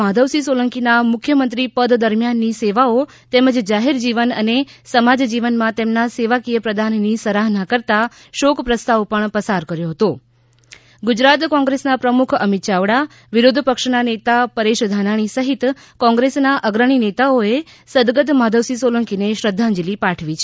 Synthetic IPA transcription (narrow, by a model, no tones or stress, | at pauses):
ad̪ʱəʋsisoləŋkinamʊkʰjəmənt̪ɾipəd̪d̪əɾmjanːiseʋao | t̪eməd͡ʒd͡ʒaɦeɾd͡ʒiʋənənesəmad͡ʒd͡ʒiʋənmãt̪emnaseʋakijəpɾəd̪ʱanːisəɾaɦnakəɾt̪a | ʃokpɾəst̪aʋpəɳpəsaɾkəɾjoɦət̪o | ɡʊd͡ʒɾat̪kɔ̃ŋɡɾesnapɾəmukʰəmit̪t͡ʃaʋɽa | ʋiɾod̪ʱpəkʃnanet̪apəɾeʃd̪ʱanaɽ̃isəɦit̪ | kɔ̃ŋɡɾesnaʔəɡɾəɽ̃inet̪aoe | səd̪ɡəd̪mad̪ʱəʋsisoləŋkineʃɾəd̪ʱːãnd͡ʒilipaʈʰʋit͡ʃʰ